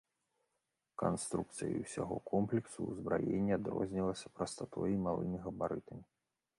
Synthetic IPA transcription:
kanst̪ɾuk̚t̪sɨjḭwsʲaɣɔkʰɔmplʲɛksuːzbɾajenʲːɐad̪rɔ̰zʲnʲilˠɐsʲɐpɾɐst̪at̪ɔjimalˠɨ̰mʲiɣɐbaɾɨt̪ɐmʲi

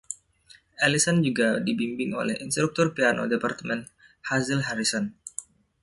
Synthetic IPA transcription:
ʔɛlisɔnd͡ʒuɡadibimbɪŋo̰lɛ̰hinst̪ɾuk̚t̪ɔrpiano̰depart̪əmɛn̚ | hazilɦaɾisɔn

